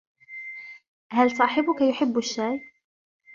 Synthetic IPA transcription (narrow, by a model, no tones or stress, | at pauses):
hælsˤɑːħɪbʊkajʊħɪbːʊʃːaːj